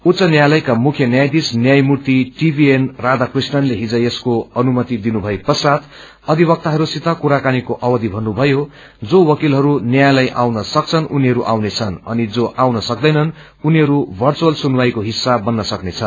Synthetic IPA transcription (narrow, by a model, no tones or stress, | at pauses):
ut̪t͡sʌnjajlʌjkamukʰjʌnjajd̪isnjajmurt̪iʈibʱienrad̪akrisnʌnleɦid͡zʌjeskoʌnumʌt̪id̪inubʱʌepʌsat̪ʰ | ʌd̪ʱibʌk̚t̪aɦʌɾusit̪akuɾakanikoʔʌwʌd̪ibʱʌnːubʱʌjo | d͡zowʌkilɦʌɾunjajlʌjʔawnʌsʌk̚t͡sʰʌnʔuniɦʌɾuʔawnet͡sʰʌnʌ̰nid͡zoʔawnʌsʌk̚d̪ʌjnʌn | uniɦʌɾubʱʌrt͡suwʌlsunwajkoɦisːabʌnːʌsʌknet͡sʰʌ